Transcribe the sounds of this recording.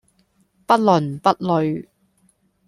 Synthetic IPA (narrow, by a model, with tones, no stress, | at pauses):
pɐ˥t̚lɵ˨˩npɐ˥t̚lɵ˨˧ɥ